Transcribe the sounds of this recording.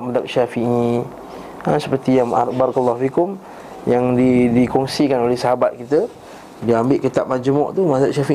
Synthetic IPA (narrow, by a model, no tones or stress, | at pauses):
mad̪ak̚ʃafiʔi | əsə̥pəɾt̪ijaŋa̰ɾbaɾakəlːɔhfikʊm | jaŋdidikɔŋsikanolɛhsəɦabat̪̚kit̪ə | diambɪʔkit̪ap̚mad͡ʒəmɔʔt̪umad̪ak̚ʃafi